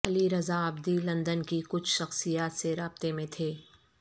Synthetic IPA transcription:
ɐliɾɐzaɐbd̪ilɐ̃nd̪ənkikʊt͡ʃʰʃɐxsijaːt̪seɾaːb̚t̪emẽt̪ʰeː

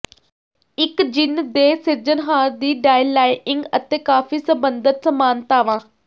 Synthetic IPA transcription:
ɪkd͡ʒɪnd̪eːsɪɾd͡ʒənɦaːɾd̪iːɖaːilaːɪɪŋɡət̪eːkaːfiːsəbənd̪ət̪səmaːnt̪aːʋãː

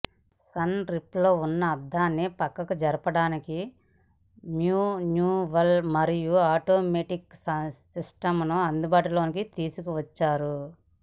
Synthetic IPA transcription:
sɐnɾiplo̞ːunːɐːd̪ːaːnːipɐkːɐkud͡ʒɐɾɐpɐɽaːniki | mjuːnjuːʋɐlmɐɾijuaːʈo̞ːmeːʈiksisʈɐmnuɐnd̪ubaːʈulo̞ːnikit̪iːsukuʋɐt͡ʃːaːɾu

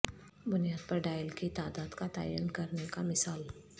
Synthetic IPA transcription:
bʊnijaːd̪̚pɐɾɖaːjəlkit̪aːd̪aːd̪kat̪a̰ːjənkɐɾnekamɪsaːl

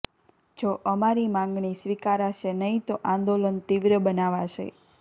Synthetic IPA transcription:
d͡ʒoʔəmaɾimãŋɡɳisʋikaɾaʃenəɦit̪oʔãnd̪olənt̪iʋɾəbənaʋaʃḛ

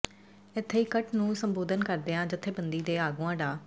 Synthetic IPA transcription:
ɪt̪ʰːeːiːkəʈnũːsəmboːd̪ənkəɾd̪eːãːd͡ʒɪt̪ʰːeːbənd̪iːd̪eːaːɡuːãːɖaː

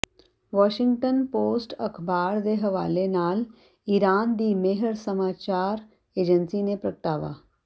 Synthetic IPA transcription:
ʋɔɕiŋɡʈənposʈəkʰbaɽd̪eɦʋa̰lenaːl | iɾand̪iːmeɦəɾsəmat͡ɕaɾ | ed͡ʑənsinepɾəkʈaʋa̰

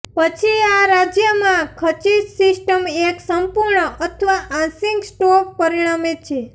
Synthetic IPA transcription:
pət͡ʃʰiaɾad͡ʒjəmãkʰət͡ʃisisʈəmeksəmpuɾɳəʔət̪ʰəʋaãsĩŋɡsʈok̚pəɾiɽ̃amet̪̚t͡ʃʰe

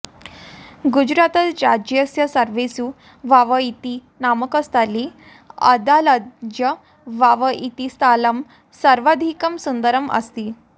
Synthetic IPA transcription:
ɡud͡ʑɾat̪əɾad͡ʑjəsjəsəɾʋesu | ʋaʋəit̪i | naməkəst̪ali | ə̰d̪aladjə | ʋaʋəʔit̪ist̪aləm | səɾʋad̪ʱikəmsund̪əɾəmə̰st̪iː

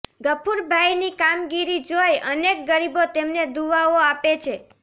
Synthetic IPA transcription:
ɡəpʰuɾbʱajnikamɡiɾid͡ʒojənek̚ɡəɾibot̪emned̪uʋaoapet͡ʃʰe

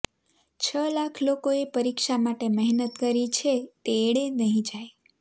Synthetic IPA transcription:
t͡ʃʰəlakʰlokoepəɾikʃamaʈeməɦnət̪kəɾit͡ʃʰet̪eːɽenəɦĩd͡ʒaj

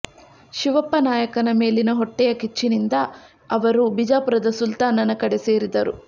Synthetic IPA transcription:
ʃiʋɐpːɐnaːjɐkɐnɐme̞ːlinɐɦɔʈːɛjɐkit͡ʃːinind̪ɐ | ɐʋɐɾubid͡ʒaːpɾɐd̪ɐsult̪aːnɐnɐkɐɽese̞ːɾid̪ɐɾṵ

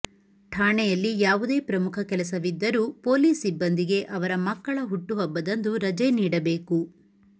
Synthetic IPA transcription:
ʈʰaːɳɛjɐlːijaːʋud̪e̞ːpɾɐmukʰɐkɛlɐsɐʋid̪ːɐɾuːpoːliːsibːɐnd̪iɡe̞ʔɐʋɐɾɐmɐkːɐɭɐɦuʈːuɦɔbːɐd̪ɐnd̪uɾɐd͡ʒeniːɽɐbe̞ːku

